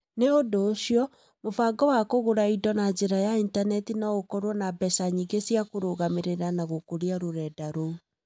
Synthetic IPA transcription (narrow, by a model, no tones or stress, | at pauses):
neondoːɕiɔ | mofaɡɔwakoɣoɾaidɔnad͡ʑeɾajaintanɛtinaokɔɾwɔnabɛsaɲiɡesiakoɾoɣameɾeɾanaɣokoɾiaɾoɾɛdaɾo